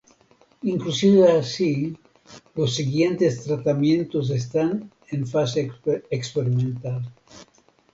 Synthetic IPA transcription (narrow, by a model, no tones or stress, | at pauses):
iŋklusiðaːsi | losːiɣjent̪est̪ɾat̪amjẽ̞nt̪os̬es̬t̪an | eɱfaseekspeɾimẽnt̪al